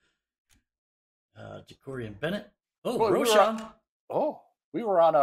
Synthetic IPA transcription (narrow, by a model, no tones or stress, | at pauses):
ʌ̰d͡ʒɨkʰɔɹiɨ̃nbɛñɨt̚ | oʊɹoʊʃɑ̃m | oʊ | wiwə˞ə̃nə